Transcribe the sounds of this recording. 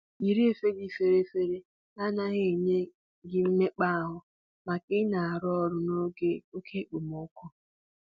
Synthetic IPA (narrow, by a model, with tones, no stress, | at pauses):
i˨ɾi˦e˨fe˦ɡi˦fe˨ɾe˦fe˦ɾe˦ | na˦na˦ɣe˦˨ɲe˦ | ɡɪ˦m̩˦me˦k͡pa˦a˦˨ɦʊ˦ | ma˨kɪ˦na˨a˨ɾɔ˦ɾʊ˦no˦e˦o˦kʰe˦k͡po˨mo˦kʊ˦